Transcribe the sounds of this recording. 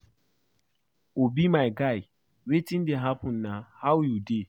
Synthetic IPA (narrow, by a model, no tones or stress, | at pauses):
obimaɪɡaj | wetin̩dɪɦapʊ̃n̩ːahawjude